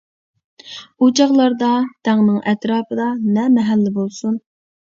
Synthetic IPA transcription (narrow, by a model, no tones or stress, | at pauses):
ud͡ʒɑʁlˠɑɾd̪ɑd̪̥æŋnɨŋʔɛt̪ɾɑːpʰɨd̪ɑnɛmɛɦælːɪbolˠsun